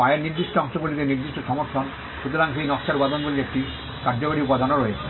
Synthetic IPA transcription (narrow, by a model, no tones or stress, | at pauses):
aeniɾd̪iʃʈoɔŋʃɔɡulit̪eniɾd̪iʃʈoʃɔmoɾt̪ʰɔn | ʃut̪oɾaŋsejnɔskaɾupad̪ɔnɡuliek̚ʈi | kaɾd͡ʑokaɽiupad̪ʱɔnoɾɔee